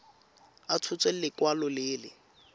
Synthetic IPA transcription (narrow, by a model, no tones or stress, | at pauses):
at͡sʰʊt͡sʼwelɪkwalɔlɪːlɪ̰